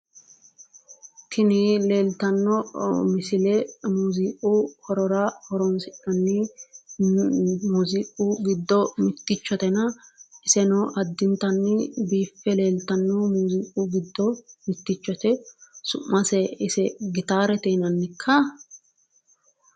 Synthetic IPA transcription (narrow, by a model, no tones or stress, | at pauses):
t̪ʰɪnɪle̞ːlt̪ɐnːɔmɪsɪlɛmuːziːkʼuhɔɾɔɾahɔɾɔnsɪᶑɐnːɪ | muːziːʔʼuɡɪd̪ːɔmɪt̪ːɪt͡ʃːɔt̪ɛnɐʔɪsɛnɔʔɐd̪ːɪnt̪ɐnːɪbiːfːɛle̞ːlt̪ɐnːɔmuːziːʔʼuɡɪd̪ːɔmɪt̪ːɪt͡ʃːɔt̪ɛsʊʔːɐsɛɪsɛɡɪt̪aːɾɛt̪ɛːnɐnːɪkʰːɐ